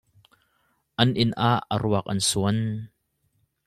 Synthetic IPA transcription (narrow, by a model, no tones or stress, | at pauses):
ʔɐnʔɪnʔaːʔːə̰ɾuək̚ʔɐ̰nsuən